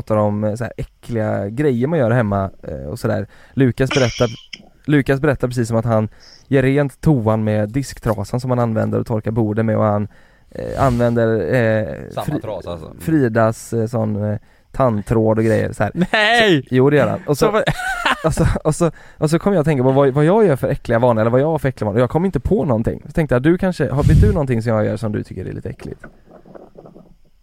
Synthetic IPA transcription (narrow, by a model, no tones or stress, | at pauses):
t̪aɾɔmsæ̰ːɾʔɛkʰːlɪɡa̰ɡɾɛjːəɾmanjœːɾhɛmːaɔ̰sɔd̪æ̰ːɾlʉ̟ːkasbɛɾɛt̪ːa | lʉ̟ːkasbɛɾɛt̪ːapɾɛsiːs̬ːɔmat̪hanjeːɾːeːnt̪ʰːuːanmɛd̪ɪskt̪ʰɾɑːsənsɔmhananvɛ̰nd̪ə̰ɾɔ̰t̪ʰɔɾkaɾbuːɖəmɛɔ̰han | a̰nvɛnd̪əɾ | ffɾiːd̪assɔnː | t̪ʰant̪ʰɾoːd̪ɔɡɾɛjːə̰ɾsɔhæːɾ | juːd̪ɛjœːɾa̰nɔsɔ | asɔɔsɔʔɔs̬ɔkʰɔməjɑːɔt̪ɛŋkapɔvavajɑːɡjœːɾfœɾɛkːlɪɡavɑːnəɛlːəvajɑːɡvaɾfœɾɛklɪɡvːnəɔjɑːɡkʰɔmːɪnt̪əpʰɔnɔnt̪ʰɪ̰ŋːsɔt̪ʰɛŋkt̪əjat̪̚d̪ɵkʰanʂəhabɪd̪ʉnɔnt̪ɪŋs̬ɔmjɑːɡjœ̰ːɾʂɔmd̪ɵ̰t̪ʰʏ̥kːəɾɖɛ̰lḭːt̪əɛ̰kːʰlɪ̰t̪